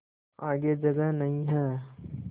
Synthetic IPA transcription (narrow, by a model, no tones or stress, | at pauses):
aːɡed͡ʒɐɡəɦnɐɦĩɦɛː